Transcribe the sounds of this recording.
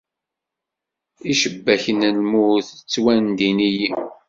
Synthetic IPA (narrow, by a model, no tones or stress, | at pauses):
iʃəbːæçənəlmuθt͡sːwænd̪iniji